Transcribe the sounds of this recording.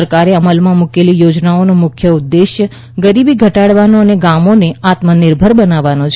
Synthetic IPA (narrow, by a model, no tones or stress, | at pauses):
əɾkaɾeəməlmãmukelijod͡ʒnaonomʊkʰjəud̪ːeʃjə | ɡəɾibiɡʱəʈaɽʋanoəneɡamoneat̪mənɪɾbʱəɾbənaʋanot͡ʃʰ